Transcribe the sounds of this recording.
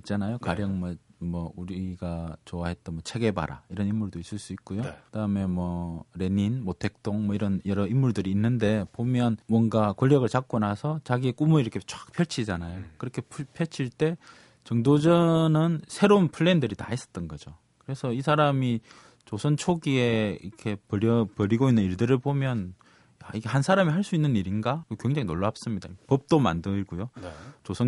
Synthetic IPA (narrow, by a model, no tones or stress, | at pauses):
it̚t͡ɕ͈anajokaɾjʌŋmʌmʌuɾiɡat͡ɕoaɦe̞t̚t͈ʌnmʌt͡ɕʰe̞ɡe̞ba̰ɾa̰iɾʌnimːuɭdois͈ɯɭs͈uik̚k͈ujokɯd̥aɯmemwʌɾe̞ninmotʰe̞k̚t͈oŋmʌiɾʌnjʌɾʌimːuɭdɯɾiːnːɯnde̞pomjʌnmwʌŋɡakoʎːjʌɡɯɭt͡ɕak̚k͈unasʰʌt͡ɕaɡiek͈umɯɭiɾʌkʰet͡ɕ͈ak̚pʰjʌɭt͡ɕʰid͡ʑanajokɯɾʌkʰe̞pʰpʰjʌt͡ɕʰiɭt͈e̞ | t͡ɕʌŋdod͡ʑʌnɯnsʰe̞ɾounpʰɯɭːendɯɾita̰is͈ʌ̥t͈ʌnɡʌd͡ʑo | kɯɾe̞sʰʌisʰaɾami | t͡ɕosʰʌnt͡ɕʰoɡie̞iɾʌkʰe̞pʌɾjʌpʌɾiɡoinːɯniɭdɯɾɯɭbomjʌn | ja̰iɡe̞hansʰaɾamiɦaɭs͈uinːɯniɾinɡakkweŋd͡ʑʌŋinoɭːap̚s͈ɯmɲidaikepʌp̚t͈oma̰ndɯɡujot͡ɕosʰʌn